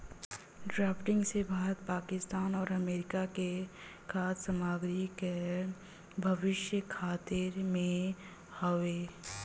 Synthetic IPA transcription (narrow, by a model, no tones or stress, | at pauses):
ɖɾaːpʈɪ̃ŋɡsebʱaːɾət̪paːkɪst̪aːnɔːɾɐmeːɾɪkake | kʰaːt̪səmaːɡɾike | bʱɐʋɪʃjəkʰaːt̪ɪɾmẽ | həʋeː